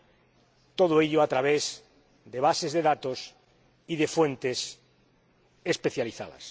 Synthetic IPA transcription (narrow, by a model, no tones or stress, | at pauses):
t̪oð̞oeʎoat̪ɾaβez | d̪eβasezðeðat̪os | iðefwent̪es | espeθjaliθaðɐ̰s